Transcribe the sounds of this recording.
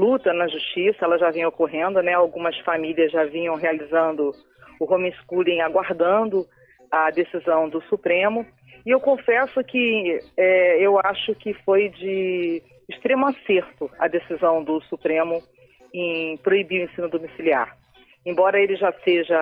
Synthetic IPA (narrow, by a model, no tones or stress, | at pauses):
lut̪ɐnɐʒuʃt͡ʃisɐɛlɐʒavẽj̃okoɦẽnd̪ʊnɛawɡũmɐsfamiliɐzʒavĩɲɐ̃w̃ɦealizɐ̃nd̪ʊ | ʊɦõmĩskuliẽaɡwaɾd̪ɐ̃nd̪ʊ | ɐd̪esizɐ̃w̃d̪ʊsupɾẽmʊ | ɪewkõfɛsʊkɪɛewaʃʊkɪfojd͡ʒɪː | ʃt̪ɾẽmʊaseɾt̪ʊɐ̰d̪esizɐ̃w̃d̪ʊsupɾẽmʊ | ẽj̃pɾoibiʊẽsĩnʊd̪omisilia̰ɾ | ẽbɔɾɐelɪʒaseʒɐ